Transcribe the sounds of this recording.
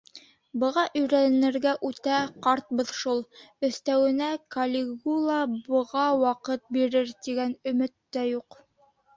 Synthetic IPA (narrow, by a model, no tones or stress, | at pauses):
bɤ̆ʁɑʔɵ̆jɾænɘ̆ɾɡæʔʉt̪æqɑɾt̪̚bɤðʃulˠɵ̆θt̪æwɘ̆nækɐlʲɪɡulˠɑbɤ̆ʁɑwɑqɤt̪̚biɾɘɾt̪iɡænɵ̆mɵ̆t̪ːæjuq